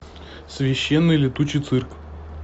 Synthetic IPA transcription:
svʲɪɕːenːɨjlʲɪt̪ut͡ɕɪjt̪sɨrkf

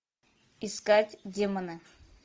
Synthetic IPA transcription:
ɪskatʲdʲemənɨ

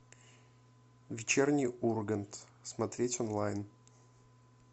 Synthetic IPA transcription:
vʲɪt͡ɕernʲɪjurɡənt̪ | smɐt̪ɾʲetʲɔnlˠajn

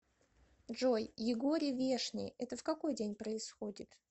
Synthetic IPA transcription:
ʐojːɪɡo̞ɾʲɪvʲe̞ʂnʲɪ̰jɛt̪əfkɐko̞jdʲenʲpɾəɪsxodʲɪt̪

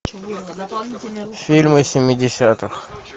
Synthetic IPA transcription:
fʲilʲmɨsʲɪmʲɪdʲɪsʲat̪ɨx

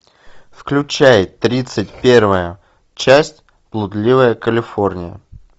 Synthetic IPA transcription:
fklʲʉt͡ɕæjɪt̪ːɾʲit̪sɨt̚ʲpʲe̞rvəjə | t͡ɕæsʲtʲ | plˠʊd̪lʲivəjəkəlʲɪfo̞rnʲɪjə̰

